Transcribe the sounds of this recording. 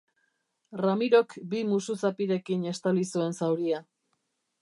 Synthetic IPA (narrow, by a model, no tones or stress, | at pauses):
ramiɾo̞kbimususapiɾe̞kine̞st̪alisue̞nsawɾia